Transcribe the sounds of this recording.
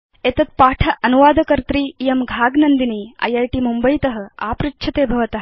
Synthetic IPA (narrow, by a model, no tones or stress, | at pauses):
et̪ɐt̪̚paːʈʰɐʔɐnuʋaːd̪ʱɐkɐɾt̪ɾiːjɐmɡʱaːɡnɐnd̪iniːɐ̰jɐːjʈiːmumbɐjt̪ɐɦɐ̆a̰ːpɾitːʃʰɐt̪eːbʱɐʋɐt̪ɐɦɐ